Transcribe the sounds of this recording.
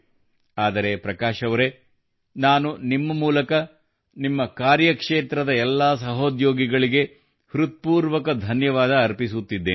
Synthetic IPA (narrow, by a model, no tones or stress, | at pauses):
aːd̪ɐɾe̞pɾɐkaːʃɐʋɐɾe̞ | naːnunimːɐmuːlɐkɐ | nimːɐkaːɾjɐkʂeːt̪ɾɐd̪ɐɛlːasɐɦoːd̪joːɡiɡɐɭiɡe̞ | hɾut̪̚puːɾʋɐkɐd̪ʱɐnjɐʋaːd̪ɐːɾpisut̪ːid̪ːeː